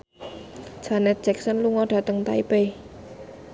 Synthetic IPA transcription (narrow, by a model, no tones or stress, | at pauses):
d͡ʒ̥anɛt̪̚dd͡ʒ̥ɛk̚sənluŋɔɖ̥ä̤t̪əŋt̪aipe